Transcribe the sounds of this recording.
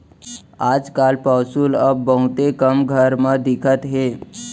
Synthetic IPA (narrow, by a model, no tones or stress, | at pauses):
aːd͡ʒkalpawsuːləbːəɦut̪ekəmɡʱəɾmad̪ɪkʰət̪ɦe